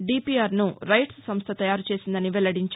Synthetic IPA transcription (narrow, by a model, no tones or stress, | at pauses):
ɖiːpiaːɾnuɾɐjʈssɐmst̪ʰɐt̪ɐjaːɾut͡ʃeːsind̪ɐniʋɛlɐɽiɲt͡ʃ